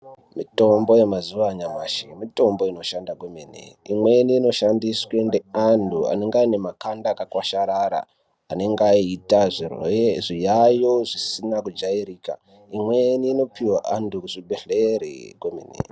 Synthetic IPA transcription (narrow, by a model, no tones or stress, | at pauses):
mito̞mbo̞je̞mazuʋaɲamaʃimito̞mbo̞ino̞ʃandakominḛimweniːno̞ʃandiswendeandua̰ne̞ŋɡaine̞makandakakwaʃaɾaɾa̰ | ane̞ŋɡaitaʐirʐijajo̞ʐisinakud͡ʒaiɾiːka̰ | imweniːno̞piwaʔandukuʐibeɬeɾḛɡomḭnḭ